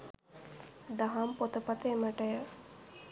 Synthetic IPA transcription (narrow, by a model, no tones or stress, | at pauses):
d̪ɐɦampot̪əpɐt̪əeməʈəjə